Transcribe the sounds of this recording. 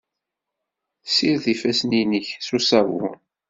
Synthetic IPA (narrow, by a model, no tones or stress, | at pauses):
θsiɾðifæsninəçsusæwʊ̰